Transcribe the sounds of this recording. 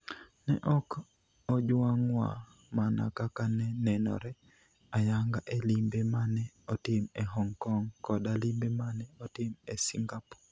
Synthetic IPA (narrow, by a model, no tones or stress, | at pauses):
nɛ̰ʔɔk | ɔd͡ʒwaŋwa̰ | mana̰kakanɛnɛnɔ̰ɾɛ | ajaŋɡaʔelimbemanɛ | ɔtɪmɛɦɔŋkɔŋkɔdalimbemanɛɔtɪmesiŋɡapɔ̥